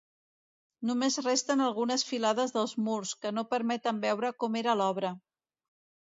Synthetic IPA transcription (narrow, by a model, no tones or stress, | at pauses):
numezrest̪ənəlˠɣunəsfilaðəzðəlˠzmurskənopəɾmɛt̪əmbɛwɾəkɔmeɾəlɔβ̞ɾə